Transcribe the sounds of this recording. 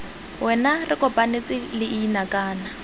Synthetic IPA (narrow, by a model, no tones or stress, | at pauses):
wʔɛnarɪkʼɔpʼanet͡sʼɪlɪʔiinakʼaːna